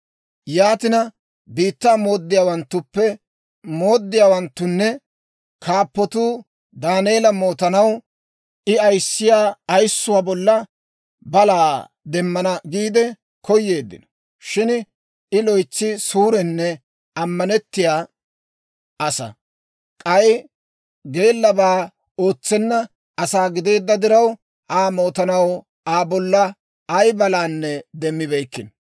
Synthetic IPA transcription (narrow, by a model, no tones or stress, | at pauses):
jaːt̪ɪnɐ | biːt̪ːaːmo̞ːd̪ːɪjaːwɐnt̪ːʊpːɛ | mo̞ːd̪ːɪjaːwɐnt̪ːʊnːɛ | kʰaːpːɔt̪uː | d̪aːneːlɐmo̞ːt̪ɐnɐw | ʔɪɐjsːɪjaːɐjsːʊwaːbɔlːɐ | bɐlaː | d̪ɛmːɐnɐɡiːd̪ɛ | kɔjːe̞ːd̪ːɪ̰nɔ̥ | ʃɪn | ɪlɔjt͡sːɪsuːɾɛnːɛ | ɐmːɐnɛt̪ːɪjaː | ʔɐsɐ̰ | kʼɐj | ɡe̞ːlːɐbaː | o̞ːt͡sːɛnːɐ | ɐsaːɡɪd̪e̞ːd̪ːɐd̪ɪɾɐw | ʔaːmo̞ːt̪ɐnɐw | aːbɔlːɐ | ɐjbɐlaːnːɛd̪ɛmːɪbɛjkːɪn